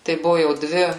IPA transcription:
tɐɪ ˈbʊʋʊ jɛʊ ˈdʲʋʲɪ

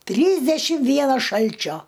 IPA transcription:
ˈtʲrʲiːzʲdʲɛʃʲɪm ˈʋʲiɛnɐs ˈʃɐlʲt͡ʃʲoː

